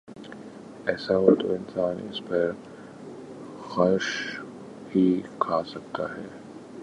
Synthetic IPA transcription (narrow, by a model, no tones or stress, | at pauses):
ɛːsaɦot̪oɪnsaːnɪ̰spɐɾ | xɐɾʃ | hikʰasɐk̚t̪a̰ɦɛː